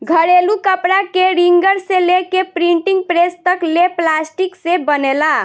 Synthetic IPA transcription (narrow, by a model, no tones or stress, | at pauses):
ɡʱəɾelukəpɾakeɾiŋɡəɾselekepɾiɳʈiŋɡpɾest̪əkleplasʈiksebənela